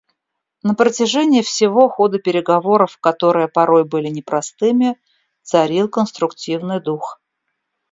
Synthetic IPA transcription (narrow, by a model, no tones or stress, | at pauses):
nəpɾətʲɪʐɛnʲɪjəfsʲɪvo̞xo̞d̪ɨpʲɪɾʲɪɡɐvo̞ɾəfkɐt̪o̞ɾɨjəpɐɾo̞jbɨlʲɪnʲɪpɾɐst̪ɨmʲɪ | t̪sɐɾʲilˠkənst̪ɾʊktʲivnɨjd̪ux